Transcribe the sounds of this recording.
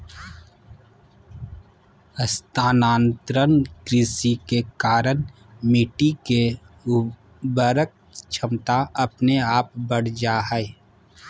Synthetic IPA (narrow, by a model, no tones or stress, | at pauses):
əst̪aːnaːnt̪ɾənkɾɪsikekaːɾən | mɪʈike | bəɾək̚t͡ʃʰəmt̪aɐpneaːp̚bəɽ̤d͡ʒaɦɛe